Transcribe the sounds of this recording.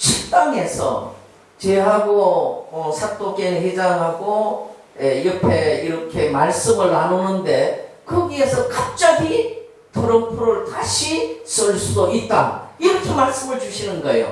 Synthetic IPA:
t͡ɕʰik̚t͈aŋe̞sʰʌ̰ | t͡ɕeɦaɡoʌsʰat͈okenhed͡ʑaŋɦaɡo | eiɾʌpʰe̞iɾʌkʰe̞maɭs͈ɯmɯɭnanonɯnde̞kɯɡie̞sʰʌkap̚t͡ɕ͈aɡi | tʰɯɾʌmpʰuɾɯɭtaɕʰis͈ɯɭs͈udoit̚t͈a̰iɾʌkʰe̞maɭs͈ɯmɯɭt͡ɕuɕʰinɯnɡʌḛjo̰

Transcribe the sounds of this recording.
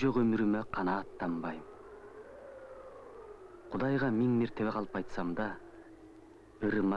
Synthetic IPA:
ʒoqɵmɪɾɪmɪqʰɑnɑːt̪ːɑmbɑjm | qʰʊd̪ɑjʁɑmɪŋmeɾt̪e̞beqʰɑlˠəpɑjt̪sɑmd̪ɑ | əɾmɑ

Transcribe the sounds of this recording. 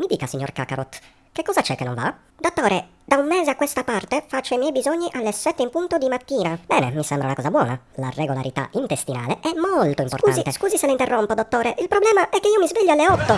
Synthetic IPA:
mid̪iːkasiɲːo̰rka̰kaɾot̪ | kekːɔːzat͡ʃɛkːenːo̰ɱva̰ | d̪ot̪ːoːɾe | d̪aummːɛːzeakːwest̪apart̪efat͡ʃːoimjɛjbizoɲːiʔalːesɛt̪ːeimpunt̪od̪imat̪ːiːnabɛːnemisɛmbɾaṵnakɔːzabwɔːna | lareɡola̰ɾit̪a̰int̪est̪ina̰ːleʔɛmːolt̪oimpoɾrtkuanit̪eskuːziselaint̪erːompod̪ot̪ːoːɾeʔilpɾoblɛːmaʔɛkːeiːomizveʎːoalːeɔt̪ːo

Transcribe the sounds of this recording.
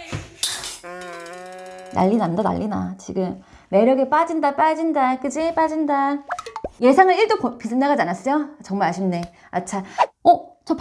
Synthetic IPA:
na̰ʎːinandana̰ʎːina̰t͡ɕiɡɯmː | e̞ɾjʌɡep͈ad͡ʑindap͈ad͡ʑindak͈ɯd͡ʑip͈ad͡ʑinda | je̞sʰaŋɯɭiɭt͈oppisʰɯnaɡad͡ʑianas͈ʌjot͡ɕʌŋmaɭaɕʰimne̞ | a̰t͡ɕʰaʌt͡ɕʌp

